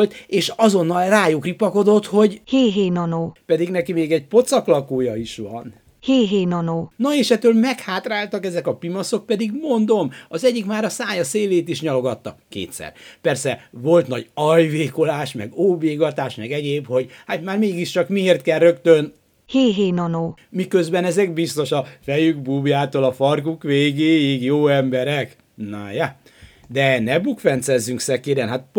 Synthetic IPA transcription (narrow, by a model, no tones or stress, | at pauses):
lt̪eːʃɒzo̞nːɒlraːjukripːɒko̞d̪o̞t̪ho̞ɟheːɦeːnɒnoːpɛd̪iɡnɛkimeːɡɛɟ̚po̞t̪sɒklɒkoːjɒiʃʋɒ̰n | heːɦeːnɒnoːnoeːʃɛt̪ːøːlmɛkhaːt̪raːlt̪ɒkɛzɛkɒpimɒso̞k̚pɛd̪iɡmo̞nd̪o̞mɒzɛɟːikmaːɾɒsaːɲɒseːleːt̪iʃɲɒlo̞ɡɒt̪ːɒ̰kːḛːt̪sɛ̰rpɛrsɛvo̞lt̪nɒɟɒjveːko̞laːʃmɛ̰ɡoːbeːɡɒt̪aːʃmɛɡɛɟeːbho̞ɟhaːt̪maːrmeːɡiʃt͡ʃɒkmieːrt̪kɛlrøkt̪øn | heːɦeːnɒnoːmikø̞zbɛnɛzɛkbist̪o̞ʃɒfɛjyɡbuːbjaːt̪oːlɒfɒrkukʋeːɡeːjiɡjoːɛmbɛɾɛk | naja | d̪ɛnɛbukfɛnt̪sɛzːyŋksɛkeːɾɛnɦat̪̚